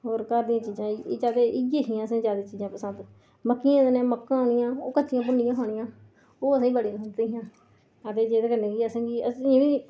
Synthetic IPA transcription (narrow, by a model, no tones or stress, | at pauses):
ɦoːɾkəɾd̪ijãːt͡ʃiːd͡ʒãːd͡ʒaːd̪eːʔɪɡeːkɪãːəsãːd͡ʒaːd̪eːt͡ʃiːzãːpəsənd̪ | məkːiãːnẽːməkːãːɦoːnɪjãːoːkət͡ʃːɪjãːp̬ʊnːɪjãːɦoːɳɪjãː | oːəsãːɡiːbəɽiːãsəneːɦãː | ət̪eːd͡ʒeːd̪eːkəneːɡiːəsãːɡiəsiː